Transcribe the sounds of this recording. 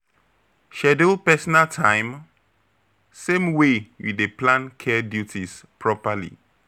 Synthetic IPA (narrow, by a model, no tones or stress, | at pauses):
ʃɛdulpɛsɔnaltʰãɪ̃m | sẽmwejṵdeplãnkʰɛdjutispʰɹɔpalḭ